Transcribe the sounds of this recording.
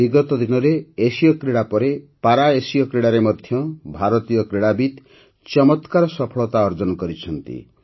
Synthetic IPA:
biɡɔt̪ɔd̪inɔɾeːsijɔkɾeɽapɔɾepaɾaesijɔkɾeɽaɾemɔd̪ʱjɔbʱaɾɔt̪ijɔkɾeɽabit̪ | t͡ʃɔmɔt̪kaɾɔsɔpʰɔɭɔt̪aɔɾd͡ʒɔnɔkɔɾit͡ʃʰɔnt̪ḭ

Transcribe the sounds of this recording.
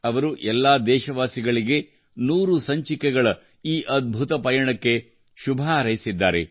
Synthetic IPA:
ɐʋɐɾuʔɛlːaːd̪ɛːʃɐʋaːsiɡɐɭiɡe̞ | nuːɾusɐɲt͡ʃikɛɡɐɭɐ | iːʔɐd̪̚bʱut̪ɐpɐjɐɳɐkːe̞ | ʃubʱaɾɐjsid̪ːaːɾe̞̰

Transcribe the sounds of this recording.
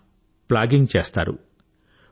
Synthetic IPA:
plaːɡiŋɡt͡ʃeːst̪a̰ːɾṵ

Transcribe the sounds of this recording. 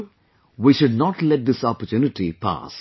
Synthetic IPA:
ʋiʃʊɖnɔʈlɛʈ̚d̪ɪsɔpəɾtjuːnɪʈipʰa̰s

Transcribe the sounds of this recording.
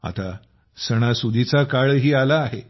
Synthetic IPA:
a̰t̪a | səɽ̃asud̪ʱit͡sakaɭɦiːalaːɦe

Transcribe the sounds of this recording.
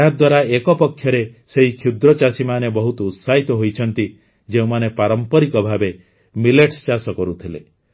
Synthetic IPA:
ɦad̪waɾaekɔpɔkʰːjɔɾeseɦikʰjud̪ɾɔt͡ʃasimanebɔɦut̪ɔut̪saɦit̪ɔɦojt͡ʃʰɔnt̪i | d͡ʒeũmanepaɾɔmpɔɾikɔbʱabe | mileʈst͡ʃasɔkɔɾut̪ʰile

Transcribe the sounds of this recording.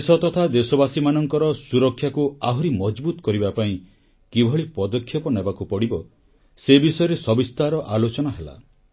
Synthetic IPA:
sɔt̪ɔt̪ʰad̪esɔbasimanɔŋkɔɾɔsuɾɔkʰːjakuaɦuɾimɔd͡ʒbut̪ɔ̥kɔɾibapaĩ | kibʱɔɭipɔd̪ɔkʰːjɔpɔnebakupɔɽibɔ | sebisɔjɔɾesɔbist̪aɾɔʔalot͡ʃɔnaɦela̰

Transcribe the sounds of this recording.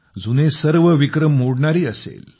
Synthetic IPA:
d͡zunesəɾʋəʋikɾəmːoɽɳaɾiːəsḛl

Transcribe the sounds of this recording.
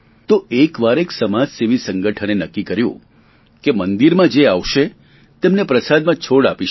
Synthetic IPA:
t̪oekʋaɾeksəmad͡ʒseʋisə̃ŋɡəʈʰənenəkːikəɾjṵ̃ | kemənd̪iɾmãd͡ʒeaʋʃe | t̪emnepɾəsad̪mãt͡ʃʰoɽapiʃ

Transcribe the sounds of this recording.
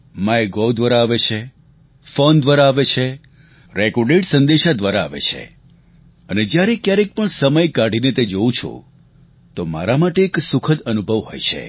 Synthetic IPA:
majɡɔld̪ʋaɾaːʋet͡ʃʰe | fond̪ʋaɾaːʋet͡ʃʰe | ɾekɔɾɖeʈsənd̪eʃad̪ʋaɾa̰ːʋḛt͡ʃʰḛ | əned͡ʒjaɾekjaɾek̚pəɳsəməjkaɽ̤ʱinet̪ed͡ʒoũt͡ʃʰo̰ | t̪oma̰ɾamaʈeːksʊkʰəd̪ənubʱəʋɦɔ̰jt͡ʃʰḛ

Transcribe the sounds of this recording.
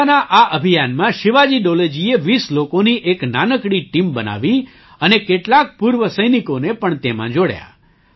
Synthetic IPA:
naʔaʔəbʱijanmãʃɪʋad͡ʒiɖoled͡ʒieʋislokoniʔeknanəkɽiʈimbəna̰ʋi | ənekeʈlak̚puɾʋəsəjnikonepəɳt̪emã̰d͡ʒoɽja̰

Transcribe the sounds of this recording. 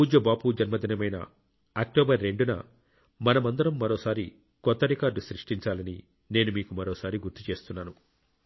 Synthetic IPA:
uːd͡ʒɐbaːpud͡ʒɐnmɐd̪inɐmɐjnɐ̰ | ɐk̚ʈɔːbɐɾːe̞ɳɖunɐ̰ | mɐnɐmɐnd̪ɐɾɐmːɐɾɔːsaːɾi | kɔt̪ːɐɾikaːɾɖusɾiʂʈiɲt͡ʃaːlɐni | ne̞ːnumiːkumɐɾɔːsaːɾiɡuɾt̪ut͡ʃe̞ːst̪unːaːnu

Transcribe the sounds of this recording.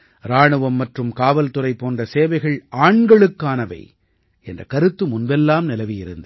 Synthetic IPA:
ɾaːɳɯʋɐmːɐʈrɯmkaːʋɐlt̪ɯrɐɪpːoːndrɐseːʋɐɪɣɐɭaːɳɡɐɭɯkːaːnɐʋɐ̰ɪ | ɛ̰ndrɐkɐɾɯt̪ːɯmʊnbɛlːaːmnɪlɐʋɪjɪɾɯnd̪ɐ

